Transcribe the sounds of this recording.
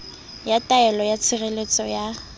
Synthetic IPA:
jatʼaɛlɔjat͡sʰɪɣelet͡sʼɔja

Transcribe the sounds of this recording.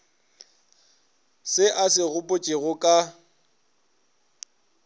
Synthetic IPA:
sɪʔasɪɣʊpʼʊt͡ʃʼɪɣʊkʼa

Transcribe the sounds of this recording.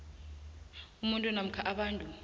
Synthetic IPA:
umuntʼunam̩kʰaʔaɓaːntʼu

